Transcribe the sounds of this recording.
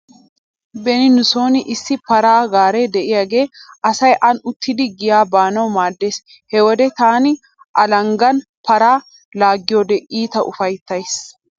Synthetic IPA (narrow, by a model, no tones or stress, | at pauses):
bɛnɪnʊso̞ːnɪʔɪsːɪpɐɾaːɡaːɾed̪ɛʔɪjaɡe̞ːʔɐsɐjʔɐnʊt̪ʰːɪd̪ɪɡɪjaːbaːnɐwmaːd̪ːe̞ːs | hɛwɔd̪ɛt̪aːnɪ | ʔɐlɐŋɡɐnpɐɾaː | laːɡːɪjoːd̪ɛʔiːt̪ɐʔʊfɐjt̪ːɐjs